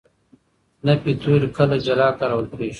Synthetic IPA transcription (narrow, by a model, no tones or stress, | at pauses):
nɐpit̪uɾkʰɐlɐd͡ʑɐlaːkɐɾɐwɐlpʰeːɕ